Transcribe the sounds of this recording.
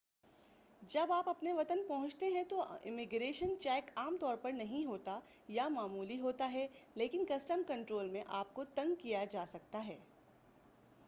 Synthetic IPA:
d͡ʒɐbaːpɐpneʋɐt̪ənpɐɦʊ̃t͡ʃt̪eɦɛ̃t̪oɪ̰mɪɡɾeːʃənt͡ʃɛːkaːmt̪ɔːɾpɐɾnɐɦĩɦoːt̪a | jamaːmuːliɦoːt̪aɦɛleːkɪnkɐsʈəmkɐ̃ɳʈɾoːlmẽʔaːp̚kot̪ɐ̃ŋɡ̚kijad͡ʒaːsɐk̚t̪aɦɛː

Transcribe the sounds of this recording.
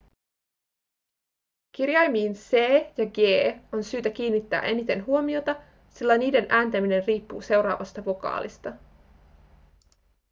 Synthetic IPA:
k̟irjɑjmiːnseːjɑɡeːo̞nsyːt̪æk̟iːnːit̪ːæ̰ːʔe̞nit̪e̞nɦuo̞mio̞t̪ɑ | silːæniːdenʔæːnt̪æmine̞nriːpːuːse̞wɾɑ̰ːʋɑst̪ɑʋo̞kɑ̰ːlʔḭst̪ɑ

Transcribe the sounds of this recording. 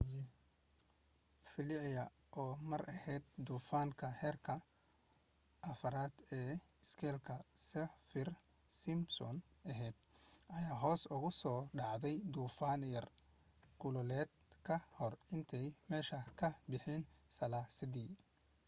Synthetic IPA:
fɪlɪʕɪjɐ | ʔɔːmɐɾʔɐhɛːd̪̚d̪uːfaːŋkʰɐhɛːrkʰɐ | ʔɐfɐɾaːd̪̥ɛːɪskʰɛːlkʰɐsɛfɪr | sɪmsɔ̰nɐɦɛːd̪̚ʔɐjaːɦɔːsʊɣʊsɔːɖɑʕd̪ɛjd̪uːfaːnjɐr | kʰʊlɔlɛːd̪kʰɐhɔrɪnt̪ʰɛjmɛːʃɐkʰɐbɪħiːnsɐlaːsɐd̪iː

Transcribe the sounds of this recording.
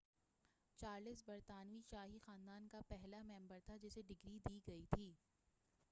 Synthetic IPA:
t͡ʃaːɾlɪsbɐɾt̪aːnʋiʃaːɦixaːnd̪aːnkapɛɦlamɛ̃ːmbəɾt̪ʰad͡ʒɪseɖɪɡɾid̪iːɡɐit̪ʰiː

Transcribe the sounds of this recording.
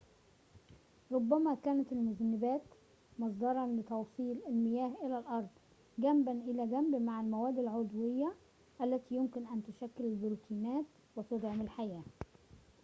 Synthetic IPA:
ɾˤobːæmæːkæːnæt̪ɪlmʊznɪbæːt̪ | mɑsˤd̪ɑɾˤɑnlɪt̪ɑwsˤiːlɪlmɪjæːhʔɪlælʔɑɾˤd̪ˤ | ɡæmbænʔɪlæːɡæmbmaʕɪlmæwæːd̪ɪlʕod̪wɪjːæ | ʔælːæt̪iːjʊmkɪnʔænt̪ʊʃækːɪlɪlbɾuːt̪ʰiːnæːt̪ | wɪt̪ʊd̪ʕmɪlħajæː

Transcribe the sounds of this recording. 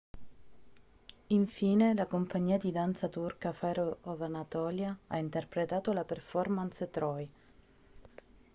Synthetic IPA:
iɱfiːnelakompaɲːiːad̪id̪ant̪sat̪urkafɛɾoɔvanat̪ɔːljaaint̪erpɾet̪aːt̪olaperfɔrmanst̪ɾɔj

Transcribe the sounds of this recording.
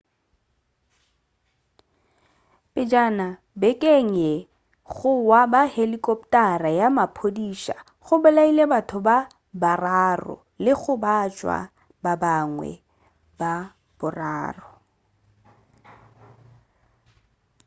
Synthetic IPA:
pʼɪd͡ʒana | bɛkʼeŋ̩ɛ | ɣʊwabahelikʼɔpʼtʼarajamapʰodiːʃa̰ | ɣʊbʊlailebatʰʊba | bararɔ̰ | lɪɣʊbat͡ʃʼwa̰ | babaŋwɛ̰ | ba | bʊraːrɔ

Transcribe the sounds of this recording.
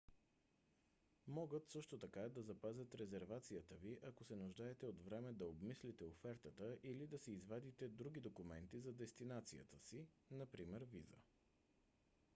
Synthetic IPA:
mɔɡət̪sɤʃt̪ot̪ɐkad̪ɐzɐpazʲət̪ɾɛzɛɾvat̪sijət̪əviʔɐkosɛnʊʒd̪aɛt̪ɛod̪vɾɛmɛd̪ɐobmislit̪ɛofɛɾt̪ət̪əʔilid̪ɐsɛizvad̪it̪ɛd̪ɾuɡ̟id̪okʊmɛnt̪izɐd̪ɛst̪inat̪sijə̰t̪əsi | nɐpɾimɛɾvḭzə̰

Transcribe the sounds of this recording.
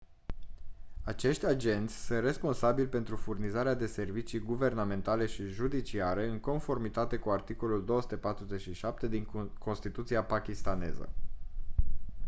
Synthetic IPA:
at͡ʃe̞ʃt̪ʲad͡ʒe̞nt̪sʲsunt̪re̞spo̞nsabilʲpe̞nt̪ɾufurnizaɾead̪e̞se̞rvit͡ʃiɡuve̞rname̞nt̪ale̞ʃiʒud̪it͡ʃiaɾe̞ɨŋko̞nfo̞rmit̪at̪e̞kuart̪iko̞luld̪o̞osu̥t̪e̞pat̪ɾuze̞t͡ʃʃiʃap̚t̪e̞d̪iŋko̞nst̪it̪ut̪siapakʲist̪ane̞̰zə̰

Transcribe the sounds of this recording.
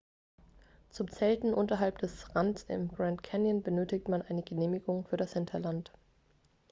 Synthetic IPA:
t͡sʊmt͡sɛltn̩ʔʊntɐɦalpd̥ɛsʁansɪ̰mɡ̥ʁantkʰɛnjənbənøːtɪk̚tmanʔaɪnəɡəneːmɪɡʊŋfyːɐɾashɪntʰɐlant

